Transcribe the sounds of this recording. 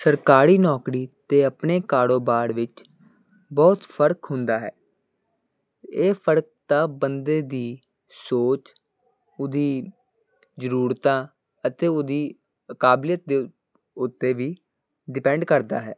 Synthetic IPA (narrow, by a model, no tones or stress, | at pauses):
səɾkaːɾiːnɔːkɾiːt̪eːəpɳeːkaːɽoːbaːɾʋɪt͡ʃ | bɔːt̪pʰəɾkɦʊnd̪aːɦɛː | eːpʰəɾək̚t̪aːbənd̪eːd̪iː | soːt͡ʃ | ʊd̪iː | zəɾuːɾt̪ãː | ət̪eːʊd̪iː | əkaːblɪjət̪̚d̪e | ʊt̪ːeːʋiː | ɖɪpɛ̃ɳɖkəɾd̪a̰ːɦɛː